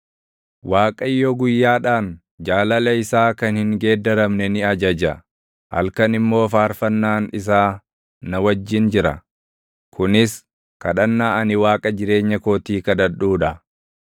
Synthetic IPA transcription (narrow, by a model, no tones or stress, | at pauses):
waːkʼɐjːoɡʊjːaːᶑaːn | d͡ʒaːlɐlɐɪsaːkɐnhɪŋɡe̞ːd̪ɐɾɐmnɛnɪɐd͡ʒɐd͡ʒɐ | hɐ̰lkɐnɪmːo̞ːfaːɾfɐnːaːnɪs̬aː | nɐwɐd͡ʒːɪnd͡ʒɪɾɐ̰ | kʰʊnɪs | kɐᶑɐnːaːʔɐnɪwaːkʼɐd͡ʒɪɾe̞ːɲːɐko̞ːt̪iːkɐd̪ɐᶑuːᶑɐ